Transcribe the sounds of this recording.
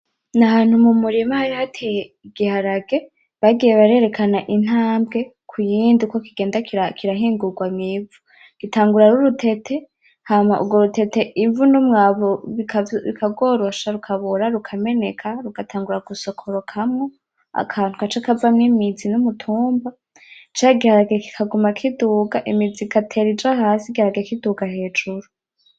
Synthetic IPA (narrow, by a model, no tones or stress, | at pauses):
naɦaːn̥humumuɾimahaɾihatʰejeiɡihaɾaɡe̞ | βaɡije̞βaɾe̞ɾe̞kʰanaʔin̥haːmbɡe̞ | kʰujiːndiko̞kiɡe̞ːndakakʰiɾaɦiːŋɡuɡwamŋiːvu | ɡ̥itaːŋɡuɾaɾuɾutʰe̞tʰe̞ | hamaʔṵɡo̞ɾutʰe̞te̞ʔivunumŋaːβoiβḭkʰaɡo̞ːɾo̞ʃaɾukʰaβuɾaɾukʰame̞ne̞kʰaɾuɡ̥atʰaːŋɡuɾaɡ̥uso̞kʰoɾokʰamŋo̞ | a̰kʰaːn̥hukat͡ʃakavamŋimizinumutʰuːmba | t͡ʃaɡihaɾaɡieki̥kʰaɡumakʰiduːɡaʔimid͡zikatʰe̞ɾid͡ʒaɦaːsiɡihaɾaɡiekiduɡahe̞ːd͡ʒuɾu